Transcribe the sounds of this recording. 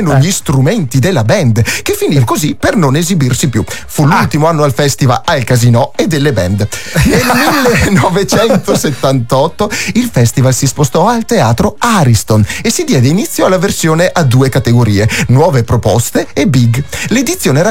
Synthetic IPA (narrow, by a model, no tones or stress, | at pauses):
noʎist̪ɾument̪id̪elːabɛnd̪k̟efːinivkozipernonezibirsipjufulult̪imoanːoalfɛst̪iva̰lalkazinɔed̪ːelːebɛ̰nd̪nelmilːenɔvet͡ʃɛnt̪oset̪ːant̪ɔt̪ːoilfɛst̪ivalsispost̪ɔalt̪ea̰ːt̪ɾoaɾist̪onesːid̪jɛːd̪einit̪sːjoalːaversjoːneʔad̪ːuːekat̪eɡoɾiːenwɔːvepɾopɔ̰st̪eːbiɡled̪it̪sːjoːneɾa